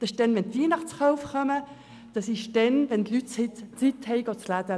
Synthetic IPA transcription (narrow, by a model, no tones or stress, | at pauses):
d̥ɑɪʃd̥ɛnʋɛntiːnɑχt͡sχawfχœmə | d̥ɑsɪʃd̥ɛnʋɛntlythɪtt͡sit̪hɛɪɡot͡slæd̥̪ə